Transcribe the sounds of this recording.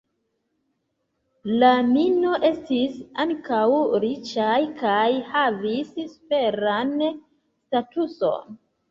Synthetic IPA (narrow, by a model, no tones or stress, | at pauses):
lamino̞ʔe̞stisaŋkawɾit͡ʃajkajhavissfe̞ɾan | statuso̞̰n